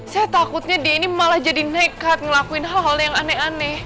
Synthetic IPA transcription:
sajat̪akut̪̚ɲadiainimalahd͡ʒadinɛkat̪̚ŋəlakuɪnɦɔljaŋanɛanɛ

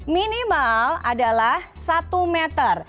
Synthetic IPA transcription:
minimaladalah | sat̪umɛt̪ər

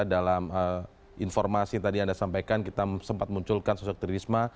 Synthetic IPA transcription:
dalamə | infɔrmasit̪adiandasampajkankit̪asəmpat̪̚muɲt͡ʃʊlkansɔsɔk̚t̪ɾiisma

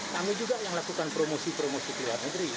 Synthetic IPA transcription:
t̪amɪld͡ʒuɡajaŋlakukanpɾomosipəɾomosikəluarnəɡɾi

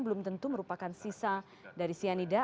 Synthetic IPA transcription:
ŋbəlʊmt̪ənt̪uməɾupakansisa | daɾisianida

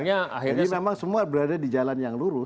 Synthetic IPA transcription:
ɲaa̰hiadimemaŋsəmuabəɾadadid͡ʒalanjaŋluɾʊ

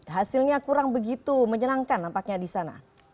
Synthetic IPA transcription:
ɦasilɲakuɾaŋbəɡit̪uməɲənaŋkanːampak̚ɲadisana̰

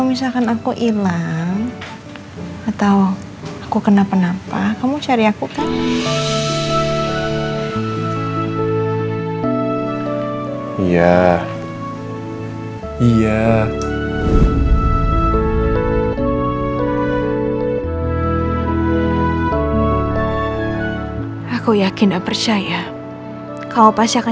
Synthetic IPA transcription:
misalkanakuʔilaŋ | at̪aw | akukənapənapakamut͡ʃaɾiakukan | ija | ija | akujakɪndapərt͡ʃaja | kalopasiaka

